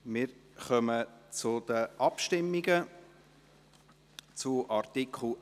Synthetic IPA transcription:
mɪɾχœmət͡sʊd̥̪əʔɑpʃtɪmːiɡə | t͡sʊʔɑrt̪ikʰχl̩

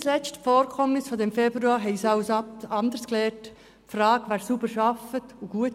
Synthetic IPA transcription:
slɛt͡stfɔːɾkʰɔmnɪsfodɛmfɛb̥ɾuɑːɾɦɛɪsɑʊsɑndəsklɛːɾt | frɑːkʋæːɾsubəɾʃɑfətuɡ̥uət

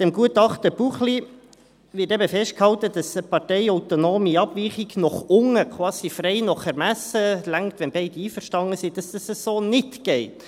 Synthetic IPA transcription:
d̥ɛmɡuətɑχtəb̥uχli | ʋɪɾtɛbəfɛʃtkhɑltəd̥ɑsəpɑtɛɪaʊtonoːmiɑb̥viːχiɡnɔχʊŋəkʰwɑːsifrɛɪnɔχɛɾmæsəlæŋktʋɛnbeɪd̥əiːfəɾʃtɑŋəsid̥ɑsdɑsəssoːnɪtɡ̥ɛɪt

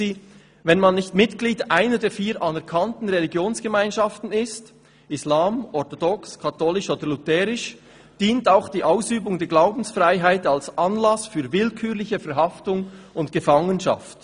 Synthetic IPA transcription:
iː | vɛnmanːɪçtmɪtɡ̥liːdʔaɪnədɛːɐfiːɾʔanɛʁkʰantn̩ʁɛliɡjoːnsɡ̥əmaɪnʃaftn̩ɪst | ʔɪslaːmɔʁtɔdɔkskʰatʰoːlɪʃoːd̥əlutɛːɾɪʃ | d̥iːntaʊxd̥iːʔaʊsyːbʊŋdɛːɡlaʊbn̩sfraɪɦaɪtalsʔanlasfyːvɪlkʰyːʁlɪçəfɛɐɾɦɑftʊŋʊntɡ̥əfaŋənʃa̰ft

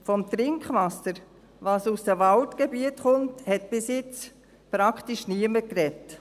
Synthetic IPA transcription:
fɔmt̪ɾɪŋkχʋɑsəɾ | vɑːsusd̥əvɑltɡ̥ebiətχʊnthɛt̚b̥ɪsjɪt͡s | pɾɑkχtiʃniəməkɾɛt

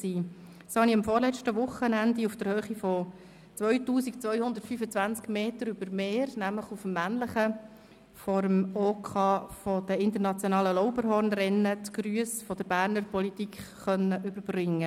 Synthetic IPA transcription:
siː | shɑniɑmfɔːɾlɛt͡ʃtəʋʊχənænd̪iufd̥əɾhøːχifɔ | t͡sʋœʏtuːsikt͡sʋœjhʊnd̪əɾtfyfət͡sʋænt͡skmeːtəɾyb̥əɾmeːɾnæmləχufmːænləχə | fɔɾəmoːkʰɑːfɔd̥̪əɪnt̪əɾnɑt͡sjonɑːləlɔʊbəɾɦɔɾnrɛnːətɡ̥ɾyəsfɔd̥̪əbæːɾnəɾpɔlit̪ikχχœnːəʔʏbəɾbrɪŋːə

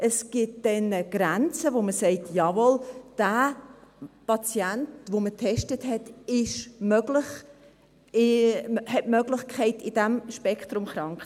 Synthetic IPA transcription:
əsɡ̥ɪt̚d̥ɛnəɡ̥ɾænt͡səvoməsɛɪtʰjɑvɔld̥aː | pɑt͡sjæntvomətʰɛʃtəthɛtɪʃmøɡlɪχ | ɪhɛtmøɡlɪχkʰχɛɪtɪd̥ɛmʃpɛkʰtɾʊmχɾɑŋkχt

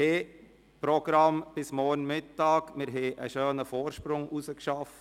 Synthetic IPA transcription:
eː | pɾɔɡ̥ɾɑmb̥ɪsmɔːɾnmɪtːɑːkmɪɾɦɛːʔə̰ʃøːnəfoːɾʃpɾʊŋʔusəkʃɑf

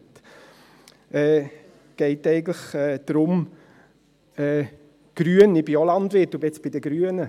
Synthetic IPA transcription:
t | ɛː | ɡ̥ɛɪtɛɪɡn̩tləχɛːd̥̪ɾʊm | ɛː | ɡ̥ɾyənɪbiolɑndʋɪtːubɛt͡sb̥ɪdəɡɾyːənə

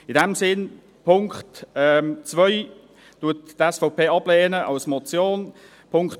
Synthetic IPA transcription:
ɪdɛmsɪn | pʰʊŋkχtɛt͡svœʏ | tuəttɛsfɔʊpʰeːɑb̥leːnəʔɑlsmɔt͡sjoːn | pʰʊŋk

